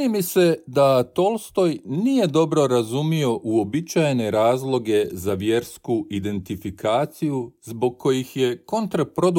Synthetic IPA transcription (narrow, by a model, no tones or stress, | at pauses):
nimise̞d̪at̪o̞lˠst̪o̞jnije̞d̪o̞bɾo̞ɾazumio̞ʔuo̞bit͡ʃajne̞ɾaːzlˠo̞ɡe̞zaʋje̞ɾskuid̪e̞nt̪ifikʰaːt̪sijuzbo̞ɡ̚ko̞jixje̞ko̞nt̪ɾapɾo̞d̪